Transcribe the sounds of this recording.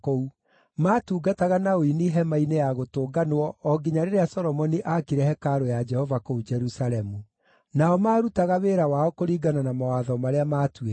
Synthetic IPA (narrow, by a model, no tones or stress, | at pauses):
kou | maːtuːɡataɣanaoiniɦɛmainejaɣotoːɡanwɔɔɡiɲaɾeɾeasɔɾɔmɔniʔakiɾɛhɛkaɾojad͡ʒɛhɔvakoud͡ʒɛɾusaɾɛmu | naɔmaːɾutaɣaweːɾawaɔkoɾiːɡananamawaðɔmaɾeamaːtwe